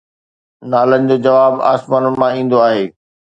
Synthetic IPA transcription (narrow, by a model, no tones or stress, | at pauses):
naːlənɪ̆d͡ʑoːd͡ʑɐʋaːba̰ːsmaːnʊnɪ̆mãĩːn̆d̪oaːɦeː